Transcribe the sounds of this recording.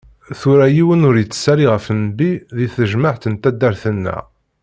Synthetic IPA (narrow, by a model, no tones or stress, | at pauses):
θʊɾæjiwənʊɾjət͡sːə̥sːæɾiʁəfnəbiðiθəʒməħt̪ənt̪æd̪æɾθənːæ̰